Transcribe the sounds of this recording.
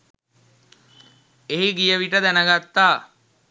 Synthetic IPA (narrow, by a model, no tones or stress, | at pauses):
eɦiɡijəʋiʈəd̪ænəɡat̪ːaː